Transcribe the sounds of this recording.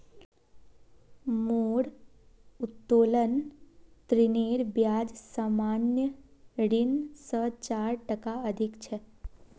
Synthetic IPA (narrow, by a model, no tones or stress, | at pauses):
moɽ | ut̪ːolənt̪ɾineɾbjad͡ʒsaːmanjəɖinsət͡ʃaɾʈəkaəd̪ʱikt͡ʃʰe